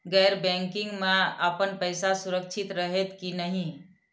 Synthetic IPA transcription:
ɡɛɪɾbɛ̃ŋkɪŋɡmeəpənpəɪsasuɾək̚t͡ʃʰit̪ɾəɦet̪kinəɦĩ

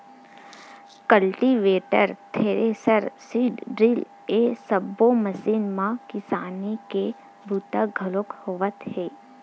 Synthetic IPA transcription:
kəlʈiʋeːʈə̰ɾt̪ʰeːɾesəɾsiːɖɖɾil | esəbːoməsiːnmãkɪsaːnike | bʱut̪əɡʱəlokhoːʋət̪heː

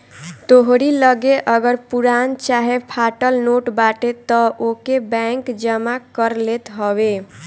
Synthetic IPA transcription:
t̪oɦɾiləɡeʔəɡəɾpuɾant͡ʃaɦepʰaʈəlnoʈbaʈet̪ɔʔokebɛ̃ŋkd͡ʒəmakəɾlet̪ɦɔbe

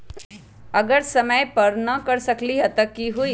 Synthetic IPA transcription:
ɐɡəɾsɐməjpɐɾnɐkɐɾsɐkliɦɐt̪əkːiɦuiː

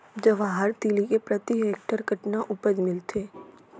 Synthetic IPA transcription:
d͡ʒəʋaɦəɾt̪ilikepɾɐt̪ieːk̚ʈəɾɡʱəʈnaʔʊpəd͡ʒmɪlt̪ʰeː

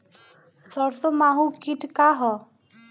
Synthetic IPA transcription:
sɔɽsomaɦũkiʈkaɦɔ

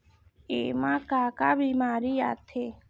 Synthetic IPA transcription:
ḛmãkakabimaːɾiat̪ʰe

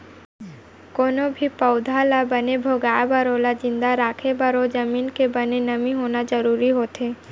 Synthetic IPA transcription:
koːnobʱipəʊd̪ʱalabənebʱoːɡaːbəɾolad͡ʒɪ̃nd̪aɾaːkʰebəɾod͡ʒəmiːnkebənenəmiɦoːnad͡ʒəɾuːɾiɦoːt̪ɦeː

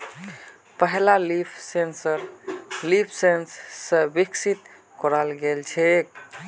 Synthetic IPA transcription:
pəɦlalipʰsensəɾlipʰsenssə̃biksit̪ | kɔɾalɡelt͡ʃʰɛk

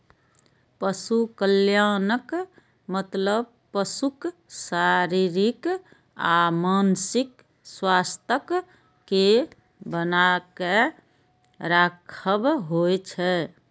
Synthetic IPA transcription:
pəsukəljanək | mət̪ləb̚ | pəsuksaɾiɾik | amansik | swast̪ʰəkː | e | bənake | ɾakʰəbɦojt͡ʃʰɛ

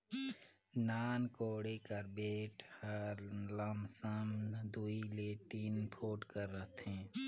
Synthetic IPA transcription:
naːnkoːɽekəɾbeːʈhəɾləmsəmd̪uilet̪iːnpʰoːʈkəɾːəɦt̪ɦɛ̃ː

